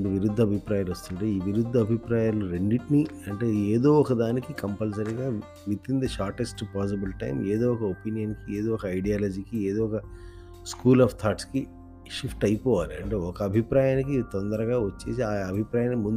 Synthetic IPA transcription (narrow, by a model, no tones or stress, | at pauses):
ɳiʋiɾud̪ʱːɐbʱipɾaːjaːlost̪uɳʈeːiːʋiɾud̪ʱːɐːbʱipɾaːjaːluɾeɳɖiʈniɐɳʈe̞ːeːd̪oːɔkɐd̪aːnikikɐmpɐls̬ɐɾiɡaː | ʋit̪int̪ɐʃaːɾʈesʈpaːs̬ibilʈɐ̰jmeːd̪oːɔkɐopinijɐnkieːd̪oːɔkɐɐjɖijaːlɐd͡ʒiːkieːd̪oːɔkɐ | skuːlaːpʰt̪ʰaːʈski | ʃipʰʈɐjpɔːʋaːliɐ̰ɳʈe̞ːɔkɐːbʱipɾaːjaːnikit̪ond̪ɐɾɐɡaːʋɐt͡ʃːe̞̰ːsiaːɐbʱipɾaːjaːnmund̪u